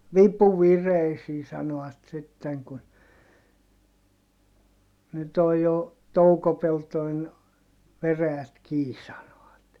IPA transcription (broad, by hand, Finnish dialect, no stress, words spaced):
ʋipu ʋireisiː sɑnoɑt sitːeŋ kun nyt oj jo toukopeltoin ʋeræjæt kiː sɑnoɑt